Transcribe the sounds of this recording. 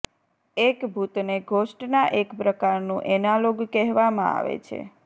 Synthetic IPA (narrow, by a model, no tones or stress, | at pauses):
ekbʱut̪neɡʱoʃʈnaʔekpɾəkaɾnũʔɛnaloɡkɛɦʋamã̰a̰ʋḛt͡ʃʰḛ